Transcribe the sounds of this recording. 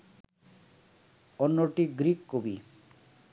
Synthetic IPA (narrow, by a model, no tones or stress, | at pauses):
ɔnːoʈiɡɾikːobi